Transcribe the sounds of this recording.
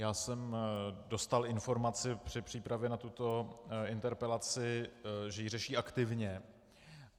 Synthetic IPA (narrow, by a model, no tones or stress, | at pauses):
jaːsɛmdo̞st̪alɪnfo̞ɾmat͡sɪpr̝̥ɪpr̝̥iːpɾavjɛnat̪ut̪o̞ɪnt̪ɛɾpɛlat͡sɪʒɛjirɛʃiːʔakt̪ɪvɲɛ